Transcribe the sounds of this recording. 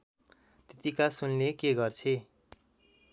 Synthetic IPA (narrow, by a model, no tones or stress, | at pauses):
t̪et̪ikasunnekeɡʌrt͡sʰe